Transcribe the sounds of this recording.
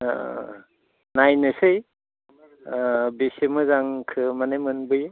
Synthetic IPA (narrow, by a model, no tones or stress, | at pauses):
najnɯsɯj | besemɯzaŋkʰɯmanejmɯnbɯj